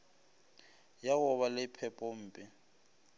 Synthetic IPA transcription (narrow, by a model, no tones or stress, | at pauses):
jaɣʊβalɪpʰɛpʼɔm̩ːpʼɪ